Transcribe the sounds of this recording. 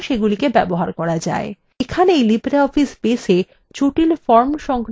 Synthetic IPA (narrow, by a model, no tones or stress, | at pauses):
ʃeɡulikebɛboɦaɾkɔɾad͡ʑa̰e | ekʰaneejlibɾaɔfispeʃe | t͡ɕuʈilfɔɾmʃɔŋk